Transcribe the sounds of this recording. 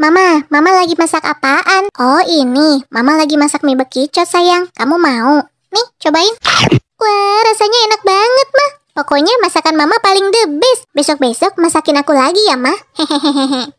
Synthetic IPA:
mamamamalaɡimasaka̰paʔanɔinimamalaɡimasak̚mɛbəkit͡ʃɔt̪̚sajaŋkamumau | niht͡ʃobaɪn | waɾasaɲaɛnak̚baŋət̪̚mah | pokɔɲamasakanmamapalɪŋdəbɪsbɛsɔk̚bɛsɔk̚masakɪnakulaɡijaŋmahhɛ̃ɦɛ̃ɦɛ̃ɦɛ̃ɦɛ̃

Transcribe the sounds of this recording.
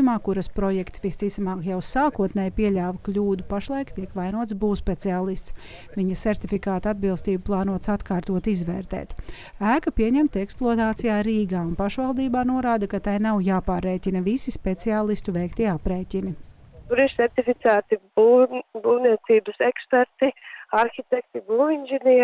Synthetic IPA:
maːkuɾɐspɾɔjɛkt̪sʋist̪it̪samaːkjawsaːkuɔt̪nɛjpiɛʎʲaːvɐklʲuːd̪upaʃlˠajkt̪iɛkʋajnuɔt̪sbuːspet̪siaːlˠist̪s | viɲɐsɛɾt̪ifikaːt̪ad̪̚bilˠst̪iːbuplˠaːnuɔt̪sat̪kaːɾt̪uɔt̪izʋɛːɾt̪ɛ̰ːt̪ | æːkɐpiɛɲɛmt̪ɛksplˠoɔt̪aːt̪sijaːɾiːɡaːunpaʃʋalˠd̪iːbaːnuɔɾaːd̪ɐkat̪ajnawjaːpaːɾːɛːcʲinɐvisispet̪siaːlˠist̪uvɛjkt̪iɛapɾeːcʲini | t̪uɾiɾsɛɾt̪ifit̪sæːt̪ibubuːwniɛt̪siːbəsɛkspɛɾt̪iaɾxit̪ɛkt̪ibuvinʒɛniː

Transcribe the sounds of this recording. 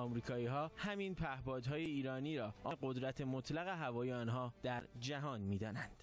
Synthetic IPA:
ɒːmɾiːkʰɒːiːɦɒːhæmiːnpʰæhbɒːd̪ɦɒːjeiːɾɒːniːɾɒːʔɒɢo̞d̪ɾæt̪ʰemot̪ʰlæɣe̞ɦævɒːjeɒːnɦɒːd̪̥æɾd͡ʒæɦɒːnmiːd̪ɒːnænd̪̥

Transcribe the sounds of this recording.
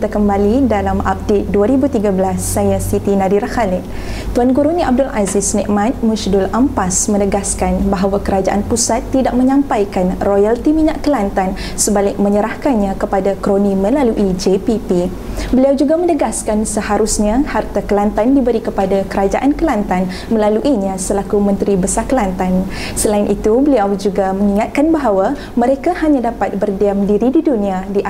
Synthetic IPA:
t̪akəmbalidalama̰p̚det̪̚duaɾibut̪iɡabəlasːajasit̪inãdiɾaxalɪt̪̚ | t̪uanɡuɾunĩʔab̚dʊlʔazɪsnɛ̃ʔmãt̪̚muʃdʊlampasmə̃nəɡaskanbaɦawakəɾad͡ʒaʔanpusat̪ːidaʔ̚mə̃ɲãmpajkanrojalt̪imiɲaʔkəlant̪an | səbalɪk̚mə̃ɲəɾahkanɲãkəpadakɾonĩmə̃laluʔid͡ʒepipi | bəliawd͡ʒuɡamə̃nəɡaskansəhaɾusɲãhart̪akəlant̪andibəɾikəpadakəɾad͡ʒa̰ʔankəlant̪an | mə̃laluʔiɲãsəlakumə̃nt̪ɾibəsakəlant̪an | səlaɪnʔit̪ubəliawd͡ʒuɡaməŋiŋat̪̚kanbaɦawa | mə̃ɾekahaɲãdapat̪̚bərdiamdiɾididunĩadiʔa

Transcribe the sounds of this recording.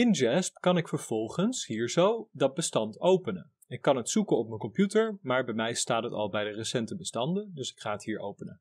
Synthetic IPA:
ɪnd͡ʒɛspkɑnɪkfəɹv̥ɔlˠχənsɦiːɹzowdɑd̚bəstɑntowpənə̰n | ɪkːɑnɦətsukənɔp̚məkɔmpjutəɹmaːɹbɛjmɛjstaːtɦətɑ̰lˠbɛjdərəsɛntəbəstɑndəndɵsɪ̥kχaːətɦiːɹo̰wpənə

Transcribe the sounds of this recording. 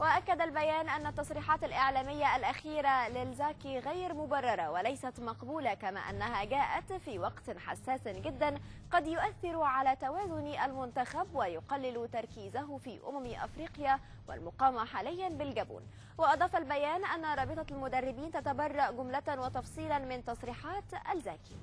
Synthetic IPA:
wɪʔakːad̪albajaːnʔanːat̪ːɑsˤɾiːħɑːt̪alʔɪʕlaːmɪjːaʔalʔaxiːɾalɪlzaːkiɣajɾmʊbɑrˤːɑɾˤɑwalajsat̪mɑqbuːlakama̰ːʔa̰nːaɦaɡaːʔat̪fiːwɑqt̪ħa̰sːaːsɡɪd̪ːanqɑd̪jʊʔaθːɪɾuʕalaːt̪awaːzʊnʔalmʊnt̪axabwajʊqɑlːɪlt̪ɑɾˤkiːzaɦʊfiːʔʊ̰mamʔa̰fɾiːqɪja | wa̰lmʊqɑːmaħaːlɪjːanbɪlɡabṵːn | wɪʔɑd̪ˤɑːfalbajaːnʔanːaɾˤɑːbɨt̪ˤɑlmʊd̪arˤːɪbiːnt̪at̪abɑrˤːɑʔɡʊmlat̪nwɑt̪ɑfsˤiːlɑnmɪnt̪ɑsˤɾiːħɑːt̪ʔa̰lza̰ːki̥

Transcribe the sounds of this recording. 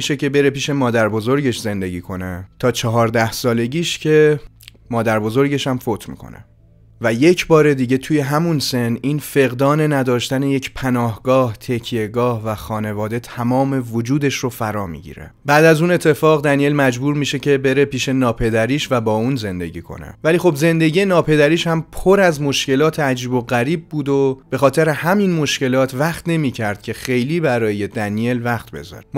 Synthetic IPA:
iʃe̞ce̞be̞ɾe̞piːʃe̞mɒːd̪æɾbo̞zo̞ɾɟe̞ʃze̞nd̪e̞ɟiːkʰo̞net̪ʰɒːt͡ʃʰɒɦɒːɾd̪æhsɒːle̞ɟiːʃcʰe̞ | mɒːd̪æɾbo̞zo̞ɾɟe̞ʃæmfot̪ʰmḭːkʰo̞̰nḛ | væje̞cʰbɒːɾe̞d̪iɟe̞t̪ʰuːje̞ɦæmunse̞niːnfe̞ɣd̪ɒːne̞næd̪ɒːʃt̪æne̞je̞cʰpʰænɒːhɡɒːht̪ʰecʰije̞ɡɒːhvæxɒːne̞vɒːd̪e̞t̪ʰæmɒːme̞vod͡ʒuːd̪e̞ʃrofæɾɒːmḭːɟḭːɾḛbæːd̪æzuːne̞t̪ʰːe̞fɒːɣd̪ænije̞lmæd͡ʒbuːɾmiːʃecʰe̞be̞ɾepiːʃe̞nɒːpʰe̞d̪æɾiːʃvæbɒːuːnze̞nd̪e̞̰ɟiːkʰo̰nḛvæliːxobze̞nd̪eɟije̞nɒːpʰe̞d̪æɾiːʃhæmpʰoɾæzmo̞ʃce̞lɒːt̪ʰeæd͡ʒiːbo̞ɣæɾiːb̚ːuːd̪o̞b̥e̞xɒːt̪ʰe̞ɾehæminmo̞ʃce̞lɒːt̪ʰvæχt̪ne̞miːcʰæɾd̪̥̚cʰe̞xe̞jliːbæɾɒːjed̪ænijelvæxt̪̚be̞̰zɒ̰ːɾem

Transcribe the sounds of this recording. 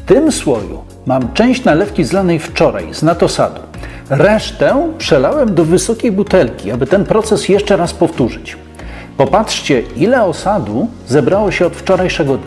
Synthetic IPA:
ft̪ɘmswɔjṵ | mamt͡ʂɛ̃w̃ɕt͡ɕnalɛfkʲizlanɛjft͡ʂɔɾa̰jznat̪ɔsa̰d̪u | ɾɛʂt̪ɛpʂɛlawɛmd̪ɔvɘsɔkʲejbut̪ɛlkʲiabɘt̪ɛnpɾɔt̪sɛsjɛʂt͡ʂɛɾaspɔft̪uʐɘt͡ɕ | pɔpatʂt͡ɕɛilɛɔsad̪u | zɛbɾawɔɕɛɔt̪ft͡ʂɔɾajʂɛɡɔd̪ɲ

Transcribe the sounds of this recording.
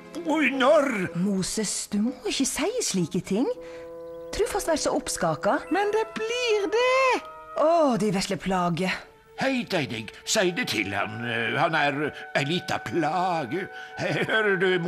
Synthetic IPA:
ɔjnɔɾmuːsəsd̪̥ʉmoːɪçəsæɪsɭiːkət̪ʰɪŋ | t̪ʰɾʉːfɑst̪ʋæɾsɔʔɔpskɑːkɑmɛnd̪ɛbliːɾd̪ɛʔɔd̪ɛʋɛʂləpʰlɑːɡə | hæɪt̪æɪnɪɡsæɪd̪ət̪ʰɪ̰lhɑ̰nhɑnæɾæɪliːt̪ɑ̰pʰlɑːɡəhæhøɾd̪ʉm

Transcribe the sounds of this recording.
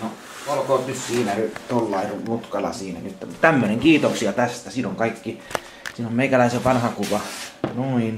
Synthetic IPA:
no | olkot̪nyssiːnænyt̪olːɑirumut̪kɑlɑ̰siːnæ̰nyt̪ːt̪æmːøneŋkiːt̪oksiɑt̪æst̪æsiːnoŋkɑikːi | siːnommeikælæiseʋɑnhɑkuʋɑnoin

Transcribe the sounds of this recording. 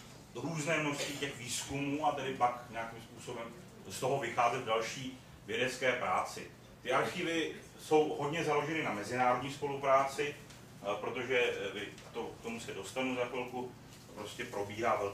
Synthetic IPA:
ɾuːznɛːnot͡sicɛxviːskumuːat̪ɛdɪpakɲɛakimspuːso̞bɛm | st̪o̞ɦo̞vɪxaːzɛd̪vdalʃiː | vjɛdɛt͡skɛːpɾaːt͡sɪ | t̪ɪʔaɾxiːvɪ | so̞wɦo̞dɲɛzalo̞ʒɛnɪnamɛzɪnaːɾo̞dɲiːspo̞lupɾaːt͡sɪ | pɾo̞t̪o̞ʒɛvɪ | t̪o̞k̚t̪o̞musɛdo̞st̪anuzakolku | pɾo̞scɛpɾo̞biːɦaːvɛl

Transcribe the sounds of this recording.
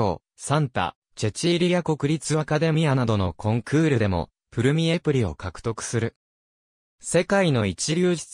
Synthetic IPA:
o̰ː | sãnt̪a̰ | t͡ɕe̞t͡ɕiɾʲijako̞kɯ̟ɾʲit͡sɨβakad̪e̞mʲianad̪o̞no̞kʰõ̞ŋkʰɯ̟ːɾɯ̟d̪e̞mo̞̰ | pɯ̟ɾɯ̟mʲiepɯ̟ɾʲio̞̰kakɯ̟̥t̪o̞kɯ̟̥sɨɾɯ̟ | se̞kaino̞it͡ɕiɾʲoːʑi̥

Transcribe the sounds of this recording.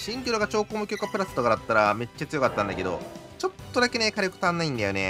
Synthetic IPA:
ɕĩŋkʲoɾoɡat͡ɕo̞ːkoːmɯ̟kʲokːapɯ̟ɾasɨ̥t̪okad̪at̪ːaɾame̞t͡ɕːat͡sɨjo̞kat̪ːãnd̪a̰ke̞d̪o̞̰t͡ɕo̞t̪ːod̪ake̞ne̞kaɾjokɯ̟t̪ãnːaĩnd̪ajo̞̰ne̞̰

